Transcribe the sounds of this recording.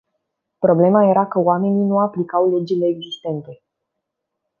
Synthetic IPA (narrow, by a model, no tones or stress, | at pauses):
pɾo̞ble̞maje̞ɾakəwame̞ninuaplikawlud͡ʒile̞ːɡzist̪e̞nt̪e̞